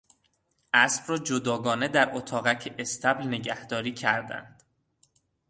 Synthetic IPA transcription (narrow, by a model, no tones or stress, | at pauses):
ʔæsb̥rɒːd͡ʒod̪ɒːɡɒːne̞d̪æɾʔot̪ʰɒːɣæcʰeʔest̪ʰæblne̞ɟæhd̪ɒːɾiːcʰæɾd̪æ̰nd̪̥